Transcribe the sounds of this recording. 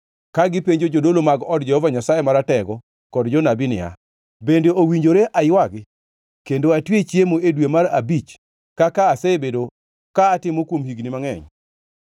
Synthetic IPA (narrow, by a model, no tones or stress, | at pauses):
kaɡɪpeɲd͡ʒod͡ʒodolomaɡɔdd͡ʒɛhɔvaɲasajemaɾatɛɡɔ | kɔdd͡ʒɔnabinɪ̰a̰ | bendeowiɲd͡ʒoɾeʔajwaɡɪ | kendoatwet͡ʃjemoedwemaɾabit͡ʃ | kakaːsebedo | kaːtɪmokwomhiɡnimaŋɛ̰ɲ